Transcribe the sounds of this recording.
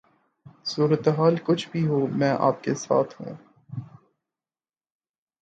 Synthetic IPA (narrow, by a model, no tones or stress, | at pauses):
suːɾət̪eɦaːlkʊt͡ʃʰbʱiɦoːmɛ̃ːʔa̰ːp̚kesa̰ːt̪ʰɦṵ̃ː